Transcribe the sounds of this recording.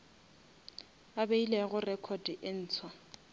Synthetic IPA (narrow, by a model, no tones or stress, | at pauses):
abeileɣʊrɛkʰɔd̥iʔen̩ːt͡sʰwa